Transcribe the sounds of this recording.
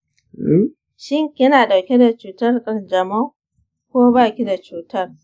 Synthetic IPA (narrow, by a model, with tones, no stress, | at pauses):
ʃɪ˦ŋkʲɪ˦naː˨ɗa˨wkʲe˦da˨t͡ʃuː˨tɐ˦rkʼɐ˨rd͡ʒɐ˨ma˦ | kʷoː˦baː˦˨kʲi˦da˨t͡ʃuː˨tɐ˦r